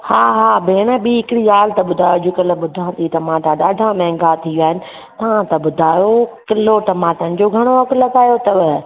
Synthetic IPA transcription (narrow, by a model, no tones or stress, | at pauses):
haːɦaːbeːɽ̃əɓiːɦɪkɽiaːlt̪ɐɓʊd̪ʱaːjod͡ʑokɐləɓʊd̪ʱãːnt̪it̪ɐmãːʈãɗaːɖʱãmɛ̃ːŋɡat̪ʰiʋiaːɦɪnɪ̆ | t̪ɐʋãt̪ɐɓʊd̪ʱaːjokɪloʈɐmaːt̪ənɪ̆d͡ʑoːɡʱɐɽ̃oɦɐklɐɡaːjot̪ɐʋɪ